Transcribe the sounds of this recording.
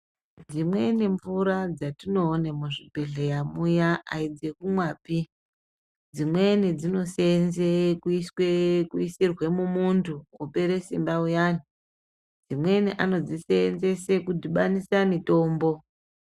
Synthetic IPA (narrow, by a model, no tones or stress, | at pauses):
d͡zimwe̞niɱvuɾad͡zatino̞ːnemuʐibʱe̞ɮejamujaa̰id͡ze̞kumwaːpi | d͡zimwe̞nid͡zino̞senzekuiswekuisirwe̞mumuntʰuupe̞ɾe̞simbaujani | d͡zimwe̞niʔano̞d͡zisenze̞se̞kudiɓanisanito̞ːmbo̞